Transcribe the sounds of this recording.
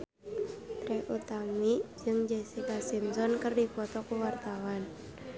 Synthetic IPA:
t̪ɾɛʔut̪amid͡ʒɨŋd͡ʒesikasimsɔnkərdifɔt̪ɔkuwart̪awan

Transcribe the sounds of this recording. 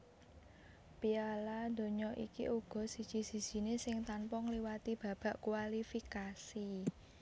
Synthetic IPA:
pialad̪̥o̤ɲɔʔikḭʔuɡ̥ɔ̤sid̥ʒ̥i̤si̤d̥ʒ̥i̤nesɪŋt̪ampɔŋliwat̪ib̥ä̤b̥a̤ʔkwalifikasi

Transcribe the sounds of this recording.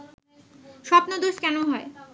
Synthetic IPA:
ʃɔpnod̪oʃkɛnoɦɔe

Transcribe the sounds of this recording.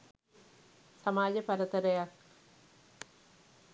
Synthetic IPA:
samaːd͡ʒəpɐɾət̪əɾəjak

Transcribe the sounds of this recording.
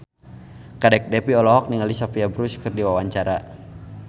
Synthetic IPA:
kadɛk̚dɛpiɔlɔɦɔk̚niŋalisafiabɾuskɨrdiwawaɲt͡ʃaɾa

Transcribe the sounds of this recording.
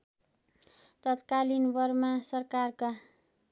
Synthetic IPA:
t̪ʌt̪kalinbʌrmasʌrkarka

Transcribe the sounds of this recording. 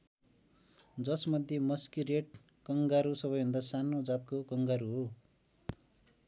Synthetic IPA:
d͡zʌsmʌd̪ʱjemʌskireʈ̚ | kʌŋɡaɾusʌbʌjbʱʌnd̪asanod͡zat̪̚kokʌŋɡaɾuɦo

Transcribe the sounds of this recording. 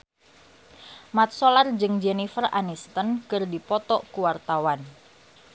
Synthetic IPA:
mat̪̚solard͡ʒɨŋd͡ʒɛnifəranist̪ənkɨrdipɔt̪ɔʔkuwart̪awan

